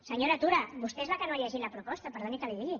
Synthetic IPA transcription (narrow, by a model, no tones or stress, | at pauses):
səɲoɾat̪uɾabust̪ezβakənoaʎaʒinlapɾupɔst̪ɐpəɾðonik̪aliðiʎi